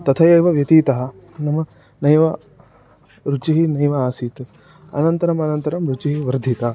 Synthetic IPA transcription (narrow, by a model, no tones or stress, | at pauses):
t̪ɐt̪ʰɐjɐjʋɐʋjɐt̪iːt̪ɐɦɐ̆ | nɐmɐ | nɐjʋɐ | ɾut͡ʃiɦinɐjʋɐaːsiːt̪ | ɐ̰nɐnt̪ɐɾɐmɐnɐnt̪ɐɾɐmɾut͡ʃiɦiʋɐɾd̪ʱit̪ɐː